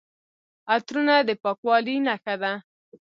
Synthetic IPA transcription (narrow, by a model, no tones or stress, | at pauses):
at̪ɾunad̪əpɑkwɑlinaxad̪a